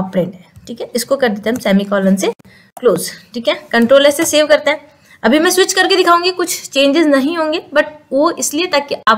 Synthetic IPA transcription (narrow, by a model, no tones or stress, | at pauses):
ɔːpːɾẽːɳʈɦɛ̃ʈʰiːkɦɛɪskokɐɾd̪eːt̪eɦmsɛːmikɔːlənse | kloːzʈʰiːkɦɛːkɐ̃ɳʈɾoːlɛːseseːʋkɐɾt̪eɦɛ̃ | ɐbʱimɛ̃ːswɪt͡ʃkɐɾked̪ɪkʰaːũːŋɡikʊt͡ʃʰt͡ʃẽːɲd͡ʒɪznɐɦĩɦõːŋɡeːbɐʈʋoɪsliet̪aːkiʔaːp